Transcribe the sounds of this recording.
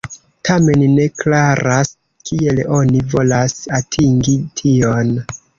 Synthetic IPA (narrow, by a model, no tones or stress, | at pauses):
tʰame̞nne̞klaɾas | kie̞lo̞nivo̞lasatʰiŋɡitʰio̞n